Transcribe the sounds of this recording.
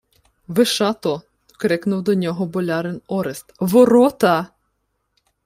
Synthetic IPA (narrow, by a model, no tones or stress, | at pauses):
ʋɪʃɑt̪ɔ | kɾɪknʊwd̪ɔnʲɔɦɔbɔlʲɑɾɪnɔɾɪst̪ʋɔɾɔt̪ɐ